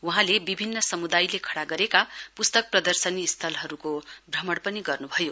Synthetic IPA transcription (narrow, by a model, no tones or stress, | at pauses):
uɦãlebibʱinːʌsʌmud̪ajlekʰʌɽaɡʌɾekapust̪ʌk̚prʌd̪ʌrsʌniːst̪ʰʌlɦʌɾukobrʌmʌɽpʌniɡʌrnubʱʌjo